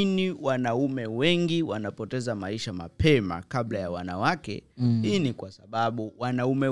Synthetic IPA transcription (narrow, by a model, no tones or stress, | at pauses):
niwanaumɛwɛŋɡiwanapɔtɛzamaiʃama̰pʰɛma̰kaɓlajawanawakɛ̰hinikwasaɓaɓuwanaumɛ